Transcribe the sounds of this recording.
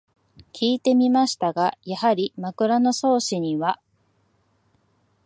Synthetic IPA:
kʲʰiːt̪e̞mʲimaɕi̥t̪aɡajahaɾʲimakɯ̟ɾano̞so̞ːɕiɲ̟iβa

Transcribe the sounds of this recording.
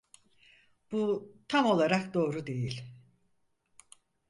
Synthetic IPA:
b̥ut̪ʰamo̞lˠaɾakd̪o̞ːɾud̪e̞jilʲ

